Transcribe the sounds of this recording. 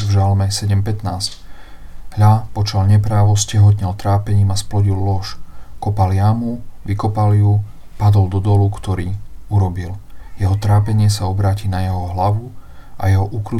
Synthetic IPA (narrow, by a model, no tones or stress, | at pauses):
vʒalmɛsɛɟɛmpɛt̪naːsc | ɦʎapɔt͡ʃalɲɛpɾaːʋɔscɛɦɔt̪ɲɛlt̪ɾaːpɛɲiːmasplɔɟillɔʃkɔpaljamuʋikɔpalju | pad̪ɔld̪ɔd̪ɔlukt̪ɔɾiːuɾɔbiljɛɦɔt̪ɾaːpɛɲɪɛsaɔbɾaːciːnajɛɦɔɦlaʋuʔa̰jɛɦɔʔukɾu